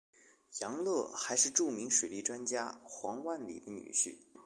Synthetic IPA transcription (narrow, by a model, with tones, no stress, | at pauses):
jɑ˧˥ŋlɤ˥˩xa˧˥ɪʂɻ̩˥˧ʈ͡ʂu˥˩mi˧˥ŋʂwe˨˩ɪli˥˩ʈ͡ʂwa˥nt͡ɕja˥xwɑ˧˥ŋwa˥˩nlḭ˨˩d̪ə˦ny̰˨˩ɕy̰˥˩